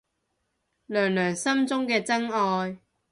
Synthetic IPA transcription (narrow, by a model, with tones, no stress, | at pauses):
lœː˨˩ŋlœː˨˩ŋsɐ˥mt͡sʊ˥ŋkɛː˧t͡sɐ˥ŋɔː˧j